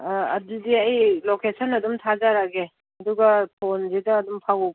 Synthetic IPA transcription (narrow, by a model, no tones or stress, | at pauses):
ɐ̰didiajlokesənɐdumtʰazaɾaɡe | ɐduɡɐtʰonzedɐːdumpʰawu